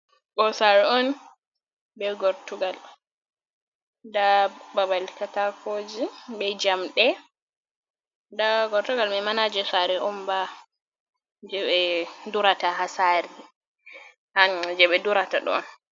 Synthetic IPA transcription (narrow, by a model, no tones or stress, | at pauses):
ɓɔsaɾɛɔn | bɛɡɔɾtuɡal | dababalkatakod͡ʒibɛd͡ʒamɗɛ | daɡɔɾtuɡalmɛmanad͡ʒɛsaɾɛʔɔmba | d͡ʒɛɓɛduɾatahasaɾi | had͡ʒɛɓɛduɾataɗɔ̰n